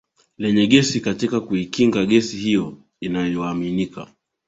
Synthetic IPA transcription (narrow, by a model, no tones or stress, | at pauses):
lɛɲɛɠɛsikatikakuikiŋɡaɠɛsihijɔ | inajɔaminika̰